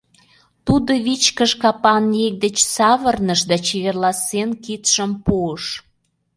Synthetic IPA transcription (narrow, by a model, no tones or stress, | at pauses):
t̪ud̪oβit͡ɕkəʃkɑpɑnjek̚d̪ət͡ɕsɑβərnəʃd̪ɑt͡ɕeβerlɑsenkit̪ʃəmpuəʃ